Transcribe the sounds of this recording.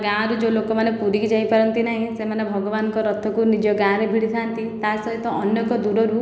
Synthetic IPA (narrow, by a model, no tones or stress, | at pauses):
ɡãɾud͡ʒolokɔmanepuɾid͡ʒajpaɾɔnt̪inaɦĩsemanebʱɔɡɔbanɔŋkɔɾɔt̪ʰɔkunid͡ʒɔɡãɾebʱiɽit̪ʰant̪it̪asɔɦit̪ɔʔɔnjɔkɔd̪uɾɔɾu